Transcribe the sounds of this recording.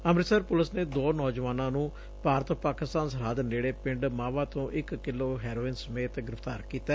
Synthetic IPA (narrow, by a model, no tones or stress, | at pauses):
əmɾɪsəɾpʊləsneːd̪oːnɔːd͡ʒʋaːnãːnũː | paːɾət̪paːkɪst̪aːnsəɾaːd̪neːɽeːpɪ̃ɳɖmãːʋãːt̪õːʔɪkːɪlːoːɦɛːɾoːɪnsəmeːt̪ɡɪɾəfʰt̪aːɾkiːt̪ɛː